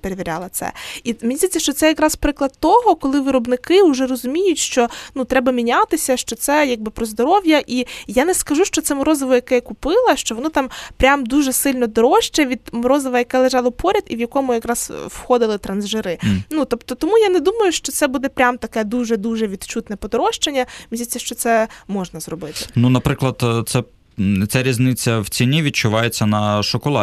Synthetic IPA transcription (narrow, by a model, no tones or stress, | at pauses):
peɾeʋʲiɾʲa̰lˠɐt̪sɛ̰imʲnʲizʲitʲt͡sʲːɐʃt͡ʃɔtsɛjɐkɾɑz̥pɾɪklˠɐd̪t̪ɔɦɔkɔlˠɪʋɪɾɔbnɪkɪʊʒɛrɔzʊmʲijʊtʲʃt͡ʃɔnut̪ɾɛbɐmʲinʲat̪ɪsʲɐʃt͡ʃɔt̪sɛjaɡ̚bɪpɾɔzd̪ɔɾɔwjɐʔijanɛskɐʒuʃt͡ʃɔt̪sɛmɔɾɔzɐʋɔjɐkɛjɛkʊpɪlˠɐʃt͡ʃɔʋɔnɪt̪ɑmpɾʲamd̪uʒɛsɪlʲnɔd̪ɔɾɔʃt͡ʃɛʋʲid̪mɔɾɔzɐʋɐjɐkɛlˠeʒɑlˠɔpʰɔɾʲɐd̪iʋjɐkɔmʊjɐkɾɑz̥wxɔd̪ɪlˠɪt̪ɾɐnzʒɪɾɪnut̪ɔpt̪ɔt̪ɔmujanɛd̪umɐjʊʃt͡ʃɔt̪sɛbud̪ɛpɾʲamt̪ɐkɛd̪uʒɛd̪uʒɛʋʲid̪t͡ʃut̪nɛpɔd̪ɔɾɔʃt͡ʃenʲːɐmɪzʲit͡sʲːɐʃt͡ʃɔt̪sɛmɔʒnɐzɾɔbɪt̪ɪnunɐpɾɪklˠɐd̪t̪sɛ | t͡sʲaɾʲiznɪt͡sʲːɐwt͡sʲinʲiʋʲid̪̚t͡ʃʊʋɑjet͡sʲːɐnɐʃɔkɔlˠɑ̰